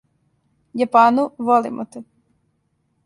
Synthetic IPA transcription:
japanuʋolḭmʔo̰t̪ɛ

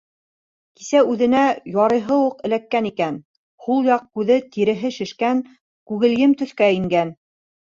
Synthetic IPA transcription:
ki̥sæʉðɘ̆næjɑɾɤ̆jɦɤwuqɘ̆lækːænikæn | hulˠjɑq̚kʉðɘt̪iɾɘ̆ɦɘʃɘ̆ʃkæn | kʉɣɘ̆ljɘmt̪ɵ̆θkæɘ̆ŋɡæn

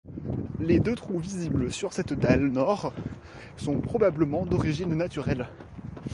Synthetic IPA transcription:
led̪øt̪χuvizibləsyʁsɛt̪d̪alnɔʁ | sɔ̃pχɔbabləmɑ̃d̪ɔʁiʒinːat̪yʁɛl

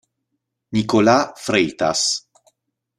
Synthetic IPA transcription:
nikolafɾeːt̪a̰s

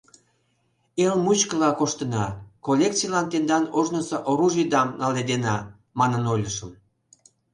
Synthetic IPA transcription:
elmut͡ɕkəlɑkoʃt̪ənɑkolʲek̚t͡sijlɑnt̪end̪ɑnoʒnəsəʔoɾuʒid̪ɑmnɑled̪enɑ | mɑnənolʲəʃəm

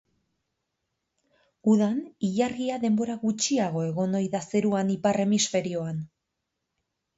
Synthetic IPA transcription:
uðaniʎarɣiaðe̞mbo̞ɾaɣut͡ʃiaɣ̞o̞e̞ɣo̞nojðase̞ɾuaniparʔe̞misfe̞ɾio̞an

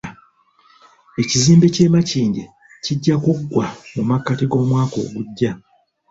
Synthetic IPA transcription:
e̞ciziːmbe̞ce̞ːmaciːɲɟe | ciɟːakuɡwamumakːatiɡo̞ːmwaːko̞̰ːɡuɟːa

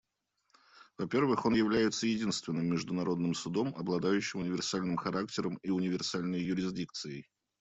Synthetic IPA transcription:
vɐpʲe̞rvɨxo̞njɪvlʲæjɪt̪səjɪdʲinst̪vʲɪnːɨmʲːɪʐd̪ʊnɐɾo̞d̪nɨmsʊd̪o̞mɐblˠɐd̪ajʉɕːɪmʊnʲɪvʲɪrsalʲnɨmxɐɾaktʲɪɾəmiʊnʲɪvʲɪrsalʲnəjːʊɾʲɪzʲdʲik̚t̪sɨjɪj

